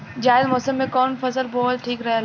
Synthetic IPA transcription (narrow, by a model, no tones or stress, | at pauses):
d͡ʒaːɪzmɔːsəmːẽkɔːnfɐsəlbɔːt̪ʈʰiːkɾɐɦel